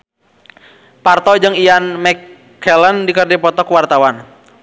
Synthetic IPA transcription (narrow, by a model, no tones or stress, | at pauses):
part̪ɔd͡ʒɨŋijanmɛkʰː | ɛləndikərdɛpɔt̪ɔkwart̪awan